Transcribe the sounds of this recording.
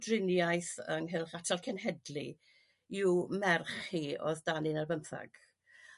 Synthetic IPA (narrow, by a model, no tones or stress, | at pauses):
drɪnjajθəŋɦɪlˠχatʰalˠkʰɛnɦɛdli | iwmɛrχiɔ̰ðdanɪnarbəmθa̰ɡ̥